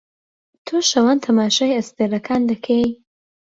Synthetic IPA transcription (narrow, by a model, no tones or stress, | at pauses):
t̪ʰoʃɐwant̪ʰɐmaːʃaːjɐst̪eɾɐkʰaːnd̪ɐkʰej